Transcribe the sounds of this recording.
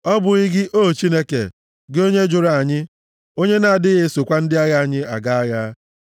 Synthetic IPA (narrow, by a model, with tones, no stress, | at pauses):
ɔ˦bʊ˨ɣɪ˦ɡɪ˦ʔoː˦˨t͡ʃi˦ne˦kḛ˨ | ɡo˦ɲe˦d͡ʒʊ˨ɾa˨a˨ɲɪ˦ | o˦ɲe˦na˨a˨dɪ˦ɣɪ˦so˨kʷa˦n̩˦dɪ˦a˦ɣa˦a˨ɲɪ˦a̰˨ɡa˦a˦ɣa˦